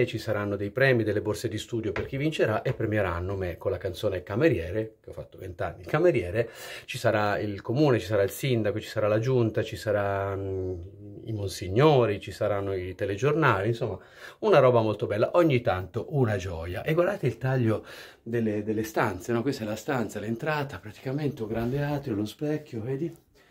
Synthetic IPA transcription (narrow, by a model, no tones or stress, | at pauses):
t͡ʃisaɾanːod̪ejpɾɛːmid̪elːeborsed̪ist̪uːd̪joperk̟ivint͡ʃeɾaʔepːɾemjeɾanːomekonlakant̪soːnekameɾjɛːɾek̟eɔfːat̪ːovent̪a̰nːikameɾjɛːɾet͡ʃisaɾailkomuːnet͡ʃisaɾailsind̪akot͡ʃi̥saɾalad͡ʒunt̪at͡ʃisaɾa | ḭmonsiɲːoːɾit͡ʃisaɾanːoit̪eled͡ʒornaːlinsomːa | unaɾɔːbamolt̪obɛlːaʔoɲːit̪ːant̪oʔunad͡ʒɔːjaʔeɡward̪aːt̪eilt̪aʎːo | d̪elːed̪elːest̪ant̪senɔkːwest̪ɛlast̪ant̪salent̪ɾaːt̪apɾat̪i̥kament̪euɡɾand̪eaːt̪ɾjolospɛkʰʲːjoveːd̪i